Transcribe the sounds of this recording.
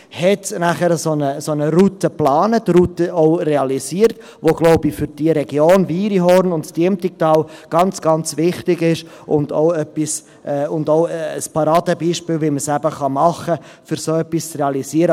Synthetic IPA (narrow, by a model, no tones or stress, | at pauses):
hɛtnæχəɾəsonəsonəɾutəplɑːnətɾutəʔoʊreɑliziəɾt | ʋoɡ̥loʊbifʏɾd̥iəɾɛɡjoːnviːɾiɦɔɾnʊntstiəmtik̚tɑːlɡ̥ɑnt͡sɡ̥ɑnt͡svɪχtɪɡɪʃʔʊndoʊœpːis | ʔɛːʊndoʊəspɑɾɑːdəbiːʃpɪːlviməsæbəχɑmɑχːə | fʏɾsoœpːist͡sreɑliziəɾə